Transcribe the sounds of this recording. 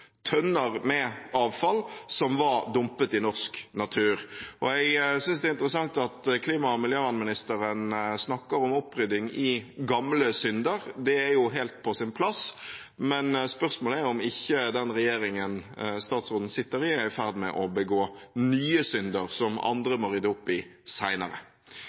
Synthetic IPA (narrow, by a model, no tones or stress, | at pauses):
t̪ʰœnːəɾmɛʔɑːʋfɑlsɔmʋɑɾd̪ʊmpət̪ɪnɔʁsknɑt̪ʰʉːɾʔɔɛɡsʏnsd̪ɛːɪnt̪əɾəsɑŋt̪ɑt̪kʰliːmɑmɪljøːʋɑnmɪnɪst̪əɾənsnɑkːəɾɔmɔpːɾʏd̪ɪŋɪɡɑmləsʏnd̪əɾd̪ɛæɾjʊɦelt̪̚pʰɔsɪnpʰlɑs | mɛnspœʁsmoːlɛɾjɔmɪçːəd̪ɛnʁɛjeːɾɪŋənst̪ɑːt̪sʁoːd̪n̩sɪt̪ːəɾɪæɪfæʁd̪mɛ̰ʔɔbəɡoːnyːəsʏnd̪əʁsɔmɑ̰nd̪ɾəmɔɾʏd̪ːəʊpːɪsæɪnə̰ɾə̰